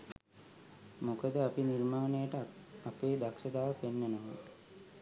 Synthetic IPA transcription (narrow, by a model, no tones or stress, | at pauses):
mokəd̪əapinirmaːnejəʈəapeːd̪akʃəd̪aːʋəpenːenoʋə